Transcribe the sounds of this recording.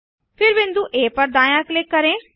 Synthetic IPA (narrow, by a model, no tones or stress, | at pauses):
pʰɪɾbẽnd̪ũːʔeːpəɾd̪aːjãːklɪkːəɾẽː